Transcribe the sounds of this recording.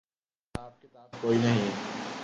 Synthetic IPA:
aːb̚kɪt̪aːbkoːinɐɦĩː

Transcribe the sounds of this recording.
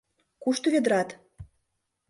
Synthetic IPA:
kuʃt̪ŏβʲed̪ɾɑt̪

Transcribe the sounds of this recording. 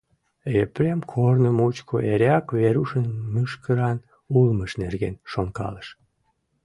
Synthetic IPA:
epɾemkʰornəmut͡ɕkʰoʔeɾeɑkβeɾuʃənmɨʃkəɾɑn | ulməʃnerɣenʃonkɑ̰ləʃ

